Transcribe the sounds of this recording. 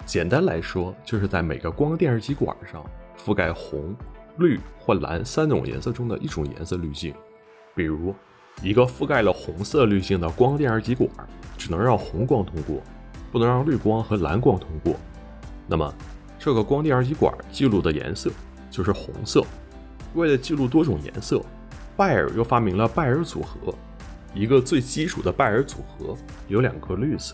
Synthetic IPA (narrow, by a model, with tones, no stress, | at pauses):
t͡ɕjɛ˨˩nt̪a˥nla˧˥ɪʂwɔ˥t͡ɕjo˥˧ʊʂɻ̩˥˧t͡sa˥˩ɪme˨˩ɪɡə˦kwɑ˥ŋt̪jɛ˥˩nə˞˧˥t͡ɕi˧˥kwa̰˨˩ʂɑ̰˥˧ŋfu˥˧ka˥˩ɪxʊ˧˥ŋly˥˩xwɔ˥˩la̰˧˥nsa˥nʈ͡ʂʊ̰˨˩ŋjɛ̰˧˥nsɤ˥˩ʈ͡ʂʊ˥ŋd̪ə̰˨ʔi˥˩ʈ͡ʂʊ˨˩ŋjɛ̰˧˥nsɤ˥˧ly˥˧ɕi˥˩ŋ | pi˨˩ɻu˧˥ | i˧˥ɡə˧fu˥˧ka˥˩ɪlə˩xʊ˧˥ŋsɤ˥˧ly˥˧ɕi˥˩ŋd̪ə˩kwɑ˥ŋt̪jɛ˥˩nə˞˧˥t͡ɕi˧˥kwa̰˨˩˦ʈ͡ʂɻ̩˨˩nɤ˧˥ŋɻɑ˥˩ŋxʊ˧˥ŋkwɑ˥ŋt̪ʰʊ˥ŋkwɔ̰˥˩ | pu˥˩nɤ˧˥ŋɻɑ˥˧ŋly˥˩kwɑ˥ŋxɤ˧˥la̰˧˥nkwɑ˥ŋt̪ʰʊ˥ŋkwɔ̰˥˩ | na˥˩mə̰˩ | ʈ͡ʂɤ˥˩ɡə˩kwɑ˥ŋt̪jɛ˥˩nə˞˧˥t͡ɕi˧˥kwa̰˨˩˦t͡ɕi˥˧lu˥˩d̪ə˩jɛ̰˧˥nsɤ˥˩ | t͡ɕjo˥˧ʊʂɻ̩˥˩xʊ̰˧˥ŋsɤ˥˩ | we˥˩ɪlə˩t͡ɕi˥˧lu˥˩t̪̬wɔ˥ʈ͡ʂʊ˨˩ŋjɛ̰˧˥nsɤ˥˩ | pa˥˩ɪə̰˞˨˩jo˥˩ʊfa˥mi˧˥ŋlə˧pa˥˩ɪə˞˧˥t͡sṵ˨˩xɤ̰˧˥ | i˧˥ɡə˧t͡swe˥˩ɪt͡ɕi˥ʈ͡ʂʰu˨˩d̪ə˦pa˥˩ɪə˞˧˥t͡sṵ˨˩xɤ˧˥ | jo˧˥ʊljɑ̰˨˩ŋɡə˧˦ly˥˩d͡z̩˨˩